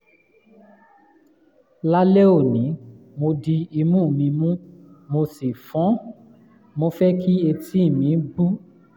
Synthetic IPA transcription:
la˦le˦o˦˨nĩ˨˦ | mo˧di˧i˧mũ˦˨mĩ˧mũ˦ | mo˧si˨fɔ̃˨˦ | mo˧fɛ˦kʰi˦e˧tʰi˦i˦˨mĩ˨˧˦ɡ͡bu˦

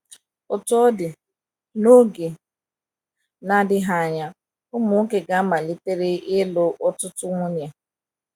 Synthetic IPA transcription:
ʊ˨tʊ˦ɔ˦dɪ˨ | no˦ɡe˨ | na˦dɪ˦ɦa˦a˨ɲa˦ | ʊ˦mʊ˨ŋ̩˦ke˨ɡa˦ma˨li˦te˦ɾe˦ʔɪ˦lo˦ʔɔ˦tʊ˦tʊ˦ŋʷʊ˦ɲ˨e˨

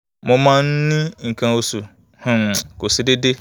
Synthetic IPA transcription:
mʊ̃˨mã˦n̩˦nĩ˦ŋ̩˨kʰã˨o˨su˨ | hʊ̃˨n˨kʊ˨sɪ˨dɪ˦dɪ˦

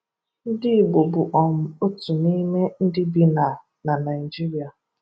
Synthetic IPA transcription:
n̩˦dɪ˦˨bo˨bʊ˨ʔɔ˨m̩˨o˦tu˨ni˦me˦n̩˦dɪ˦bi˦na˨ | na˨na˨ɪ˨d͡ʒi˦ɾi˨a˨

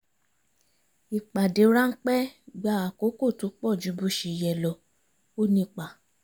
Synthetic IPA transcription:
i˨k͡pa˨de˨˦ɾa˦ŋ̩˦k͡pɛ˦ɡ͡ba˧˦a˨ko˨˦ko˦˨to˨˦k͡pɔ˦˨d͡ʒu˨˦bu˦˨ʃe˨jɛ˨lɔ˨ | o˦nĩ˧k͡pa˨

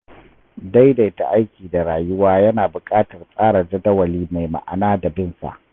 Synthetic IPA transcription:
da˦jda˨ɪ˦ta˨ʔa˦jkʲiː˨da˨ɾaː˨jʊ˦waː˦jɐ˦naː˨bʊ˨kʼaː˦tɐ˨rsʼaː˦ɾa˨d͡ʒɐ˦dɐ˦wɐ˨liː˦ma˨jma̰˨ʔa̰˨naː˦da˨bɪ˦nsa̰˨ʔ

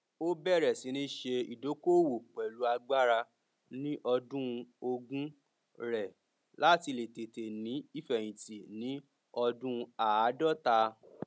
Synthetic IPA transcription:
o˦bɛ˦˨ɾɛ˨si˨˦nĩ˦ʃe˧ḭ˨do˨˦ko˦˨wo˨k͡pɛ˨lu˨˦a˧ɡ͡ba˦ɾa˧ | nĩ˦ʔɔ˧dũ˦˧o˧ɡũ˦ | ɾɛ˨ | la˦ti˧le˨te˨te˨nĩ˨˦i˦˨fɛ˨j̃ĩ˨ti˨nĩ˨˦ | ɔ˧dũ˦˧a˨˦dɔ˦˨ta˧

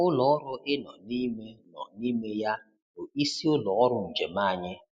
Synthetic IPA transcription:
ʊ˦lɔ˨ɔ˦ɾʊ˦ʔɪ˦nɔ̰˨ni˦me˦nɔ̰˨ni˦me˦ja˦ | o˨i˦si˦ʊ˦lɔ˨ɔ˦ɾʊ˦n̩˨d͡ʒe˨ma˦˨ɲɪ˦

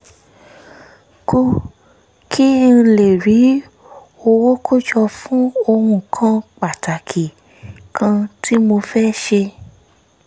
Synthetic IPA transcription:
ku˧ | kʰi˦ñ̩˧le˨ɾi˨˦ | o˧wo˦kʰo˦d͡ʒɔ˧fũ˦o˧ɾũ˦kʰã˦k͡pa˨ta˨kʰi˨ | kʰã˧tʰi˦mo˧fɛ˦ʃe˧

